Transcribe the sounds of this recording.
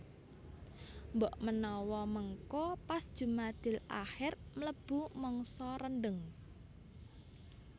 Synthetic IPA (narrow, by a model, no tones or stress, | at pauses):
mbɔʔmənɔwɔməŋkɔpasd̥ʒ̥ṳmad̪̥ɪ̤lʔa̰hɪrmələb̥umɔŋsɔɾənɖəŋ